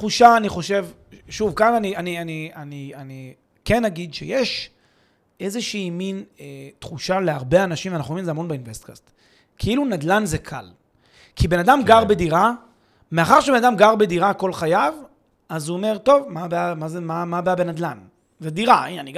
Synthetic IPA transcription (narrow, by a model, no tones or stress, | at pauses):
tχuʃaːniχo̞ʃe̞vʃuvkananianianianiani | kenːaɡid̪ʃḛje̞ʃ | e̞zeʃiːminet̪χuʃale̞aʁbeanaʃimvanaχuomĩmzeamo̞nbeinvestkast̪ | kʰeilunad̪lanzekʰa̰l | kibe̞nadamɡaʁbe̞diʁa | meaχaʁʃebenad̪amɡaʁbe̞diʁako̞lχajav | azuome̞ʁt̪o̞vmabeamazemamabeabenad̪lan | zediʁaiani